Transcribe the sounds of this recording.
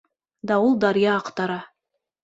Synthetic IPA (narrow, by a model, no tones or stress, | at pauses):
d̪ɑulˠd̪ɑɾijɑːqt̪ɑɾɑ